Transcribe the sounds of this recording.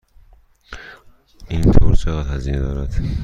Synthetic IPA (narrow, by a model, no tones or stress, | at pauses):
iːnt̪ʰoːɾt͡ʃʰeɣæd̪hæziːned̪ɒːɾæd̪̥